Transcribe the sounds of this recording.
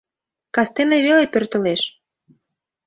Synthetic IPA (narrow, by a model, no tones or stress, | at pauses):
kɑst̪eneβelepørt̪ə̆leʃ